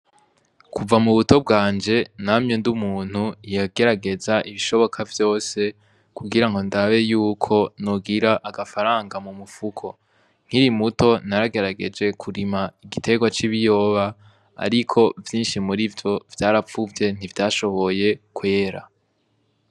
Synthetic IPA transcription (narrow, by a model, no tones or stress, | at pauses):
kuvamuβuto̞b̚ɡaːnd͡ʒe̞namɲendumuːn̥hujaɡe̞ɾaɡe̞zaʔiβiʃo̞βo̞kʰavjo̞ːse̞ | kuɡiɾaŋɡo̞ndaβe̞juːkʰo̞nuɡiɾaʔaɡafaɾaːŋɡamumufukʰo̞ | ŋ̥iɾimuto̞naɾaɡe̞ɾaɡe̞d͡ʒe̞kʰuɾimaiɡitʰe̞ɡwat͡ʃiβijo̞ːβa̰ː | ɾikʰo̞vjiːnʃimuɾivjo̞vjaːɾafuvje̞n̥ivjaːʃo̞βo̞je̞kwe̞ːɾa̰